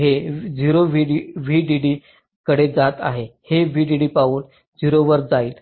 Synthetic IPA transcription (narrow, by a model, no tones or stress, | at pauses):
ɦed͡ʑiɾoʋiɖiʋiɖiɖiː | kəɽed͡zat̪a̰ɦeheʋiɖiɽiːpauːn | d͡ziɾoʋəɾd͡zaiːl